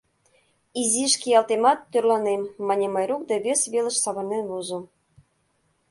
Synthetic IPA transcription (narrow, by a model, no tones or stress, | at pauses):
izʲiʃkʲejɑlˠt̪emɑt̪ːørlˠɑnemːɑnʲemɑjɾuk̚d̪ɑβʲesβʲelə̆ʃsɑβɤ̆rnenβuzŏ